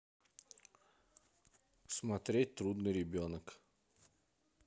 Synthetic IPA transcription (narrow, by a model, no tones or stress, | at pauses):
smɐt̪ɾʲet̚ʲt̪ɾud̪nɨjɾʲɪbʲonək